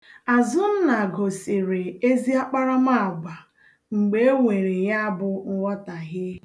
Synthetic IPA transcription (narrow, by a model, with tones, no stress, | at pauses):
a˨zʊ˦n̩˦na˨ɡo˨sɪ˨ɾɪ˨e˦zi˦a˦k͡pa˦ɾa˦ma˦˨a˨ɡ͡ba˨ | ŋ͡m̩˨ɡ͡be˦e˦wʷe˨ɾe˨ja˦a˦bʊ˦˨ŋʷɔ˦ta˨ɣɪ˦